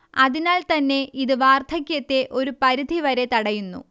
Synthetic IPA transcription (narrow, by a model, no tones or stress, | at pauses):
ɐðinaːlt̪ɐnːe̞ʔiðɨʋaːrt̪ʰɐkʲjɐt̪ːe̞ʔo̞ɾupɐɾid̪ʱiʋɐɾe̞t̪ɐɽɐjunːṵ